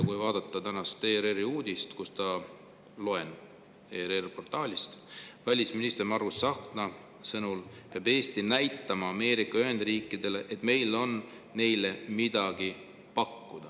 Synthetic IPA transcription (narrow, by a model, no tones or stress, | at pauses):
kujvɑːd̪̥ɑt̪ˑːɑt̪ænɑst̪eːɾeriuːd̪̥ʲist̪kust̪ɑ | lo̞en | eːɾerpo̞rt̪ˑɑːlʲist̪vælʲisminist̪ermɑrusːɑknɑ | sɤnulpeɑbe̞ːst̪inæjt̪ːˑɑmɑɑme̞ːɾikˑːɑyɦe̞nd̪̥riːkːˑid̪̥e̞le̞ʔet̪ˑme̞jlo̞nː | e̞jle̞mid̪̥ɑɡ̥i | pɑkːud̪̥ɑ